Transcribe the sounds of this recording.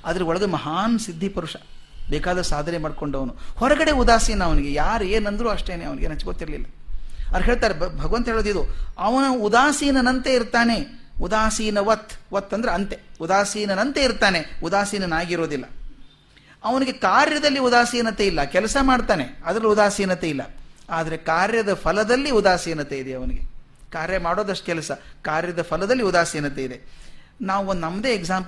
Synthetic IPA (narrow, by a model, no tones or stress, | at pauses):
aːd̪ɐɾeɔɭɐɡɐemɐɦaːnsid̪ʱːipuɾuʂɐ̥ | beːkaːd̪ɐɾsaːd̪ʱɐnemaːɖko̞ɳɖɐʋɐnuhɔɾɐɡɐɽeud̪aːsiːnɐːʋɐniɡe̞jaːɾeːnɐnd̪ɾuːɐʂʈeːneːɐʋɐniɡenɐt͡ʃːɡoːt̪ːiɾɐlilːɐɐd̪ɾɦeːɭt̪aːɾebʱɐɡɐʋɐnt̪ɐɦeːɭoːd̪id̪uɐʋɐnɐud̪aːsiːnɐnɐnt̪e̞iɾt̪aːne̞ | ud̪aːsiːnɐʋɐt̪ʰːʋɐt̪ːɐnd̪ɐɾeɐnt̪eud̪aːsiːnɐnɐnt̪e̞iɾt̪aːne̞ud̪aːsiːnɐnaːɡiɾo̞ːd̪ilːɐ̰ | ɐʋɐniɡe̞kaːɾjɐd̪ɐlːiud̪aːsiːnɐt̪e̞ilːɐkɛlɐsɐmaːɖt̪aːneɐd̪ɐɾɐːiud̪aːsiːnɐt̪e̞ilːɐ̰aːd̪ɐɾe̞kaːɾjɐd̪ɐpʰɐlɐd̪ɐlːiud̪aːsiːnɐt̪eid̪eɐʋɐniɡe | kaːɾjɐmaːɽo̞ːd̪ɐʂʈɐkɛlɐsɐkaːɾjɐd̪ɐpʰɐlɐd̪ɐlːiud̪aːsiːnɐt̪e̞id̪e | naːʋuond̪nɐmːɐd̪e̞ːeɡzaːmp